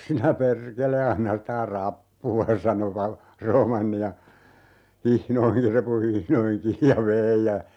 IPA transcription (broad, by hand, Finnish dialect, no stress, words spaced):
sinæ perkele ɑnːɑ stæ rɑpːuɑ sɑno ʋɑl roːmɑnːi jɑ hihnoihi repu hihnoihiŋ kiːj jɑ ʋei jɑ